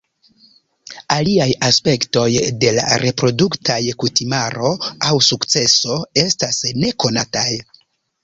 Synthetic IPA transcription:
aliajaspe̞kto̞jde̞la̰ɾe̞pɾo̞duktʰajkutimaɾo̞awsukt͡se̞so̞e̞stasne̞ko̞nataj

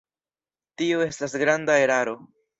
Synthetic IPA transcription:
tioe̞stasɡɾandae̞ɾaɾo̞

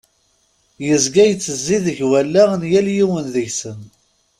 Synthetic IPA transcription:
jəzɡæjət͡sːəzːiðəʝwælːænjæljiwənðəʝsən

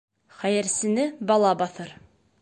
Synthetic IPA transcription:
χæjɘ̆ɾsɘ̆nɘbɑlˠɑbɑθɤɾ

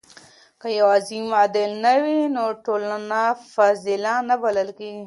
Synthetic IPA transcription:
kajawazimad̪ɪlnawinoʈolanafazɪlanabaləlkeɡi

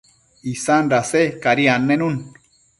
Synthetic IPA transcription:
isanɾasekaɾianːenun

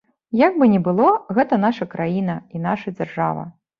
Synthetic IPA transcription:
jaɡ̚bɨnʲɛbɨlˠɔɣɛt̪ɐnaʂɐkɾajinɐinaʂɐd͡zʲarʐa̰vɐ̰

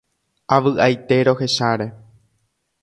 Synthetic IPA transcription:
aʋɨʔajt̪e̞ɾo̞he̞ʃaɾe̞

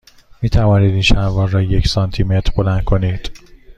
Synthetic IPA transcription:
miːt̪ʰævɒːniːd̪iːnʃæɾvɒːɾːɒːjecʰsɒːnt̪ʰimet̪ʰɾbo̞lænd̪̚kʰo̞niːd̪̥

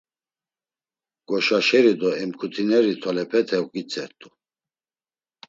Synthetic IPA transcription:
ɡ̥ɔʃaʃɛɾid̪ɔɛmkʰut̪ʰinɛɾit̪ʰɔlɛpʰɛt̪ʰɛukʼit͡sʰʼɛɾt̪ʼu

